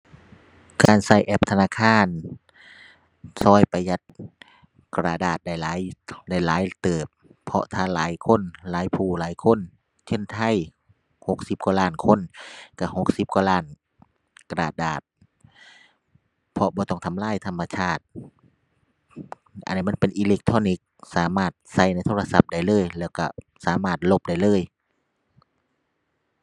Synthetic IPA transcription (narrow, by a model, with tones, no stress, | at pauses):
kaː˨˩nsa˧˩jʔɛ˧p̚t̪ʰa˧naː˧˨kʰaː˧˥˨n | sɔː˧˥˩jpa˧ja˧˦t̪̚ | kɾaː˧˩daː˨˩t̪̚da˧˩jlaː˨˦jda˧˥˩jlaː˨˦jt̪ɤː˨˩p̚ʰːɔ˧t̪ʰaː˧˩laː˨˦jkʰo˧˥˨nlaː˨˦jpʰuː˧˩laː˨˦jkʰo˧˥˨n | t͡ɕʰe˧˥˨nt̪ʰa˧˥˨j | ho˧˦k̚si˧˦p̚ka˧laː˧˩˨nkʰo˧˥˨nka˧˩ho˧˥k̚si˧˦p̚kwaː˧laː˧˥˩n | ka˧ɾa̰ː˨˩t̪̚daː˨˩t̪̚ | pʰɔ˧bɔː˧t̪ɔ˧˩ŋt̪ʰa˧mlaː˧˥˨jt̪ʰa˧˥mːa˧t͡ɕʰaː˧˥˩t̪̚ | ʔa̰˨nː˧m˧˥˨npe˨nʔiː˧le˧˥k̚t̪ʰɔː˧˥˨ni˧˦˥k̚saː˨˦maː˧˩t̪̚sa˧˩jna˧˥˩jt̪ʰoː˧a˧sa˧˦p̚da˧˩˨jlɤː˧˥˨jlɛː˧˩wka̰˧˩ | saː˨˦maː˧˩t̪̚lo˧˩p̚da˧˩jlɤː˧˥˨j